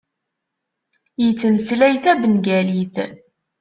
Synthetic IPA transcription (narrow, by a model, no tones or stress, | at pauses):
jət͡sːənslæjθæbənɡæliθ